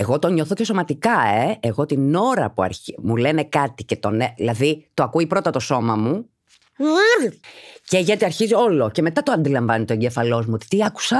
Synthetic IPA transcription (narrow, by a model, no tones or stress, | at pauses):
e̞ɣo̞t̪o̞ɲoθo̞ce̞so̞mɐt̪ikɐeeɣo̞t̪ino̞ɾɐpuɐ̰ɾimule̞ne̞kɐt̪ice̞t̪o̞neðilɐðit̪o̞ɐkuipɾo̞t̪ɐt̪o̞so̞mɐmu | ceʝɐt̪iɐɾçizio̞lo̞ce̞me̞t̪ɐt̪oɐnd̪ilɐɱvɐnit̪oe̞ɲɟefɐlo̞zmuot̪i̥t̪iɐku̥sɐ